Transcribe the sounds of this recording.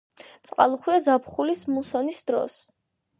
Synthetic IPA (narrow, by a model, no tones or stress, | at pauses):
t̪sʼqʼa̰lˠuχwiazapχulismusɔnisd̪ɾɔ̰s